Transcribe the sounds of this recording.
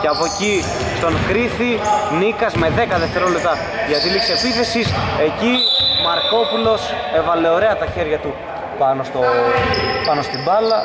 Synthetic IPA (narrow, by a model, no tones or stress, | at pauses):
ceɐpoci | st̪o̞ŋxɾiθinikɐzme̞ðe̞kɐðeft̪e̞ɾo̞lep̚t̪ɐ | ʝɐt̪ilikse̞piθe̞sise̞cimɐɾko̞pulo̞se̞vɐle̞o̞ɾe̞ɐt̪ɐçe̞ɾʝɐt̪u | pɐno̞st̪o | pɐno̞st̪ibɐlɐ